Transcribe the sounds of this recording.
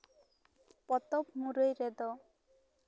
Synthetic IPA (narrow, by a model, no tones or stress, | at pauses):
pɔt̪ɔpmuɾojɾed̪ɔ